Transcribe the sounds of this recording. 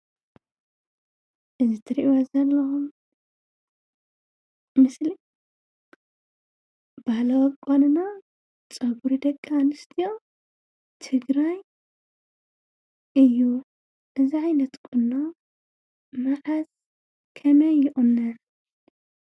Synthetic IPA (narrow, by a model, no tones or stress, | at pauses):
ʔɨzit̪ʰɨɾiʔwazɐlːɐxum | mɨsli | bahlɐwɐkʼanɨna | t͡sʼɐɡuɾid̪ɐkʼːaanɨst̪ʰijo̞ | t̪ʰɨɡɾaj | ʔɨjːu | ʔɨziʕajnɐt̪kʰunːo | maħaz | kʰɐmɐjːɪʔʼunːɐ